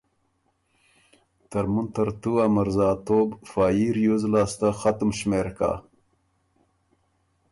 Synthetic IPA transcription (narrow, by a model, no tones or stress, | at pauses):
t̪ɐɾmunt̪ɐɾt̪uamaɾzɑːt̪oːbfaːjiɾjozlɑːst̪axat̪umɕmeɾka̰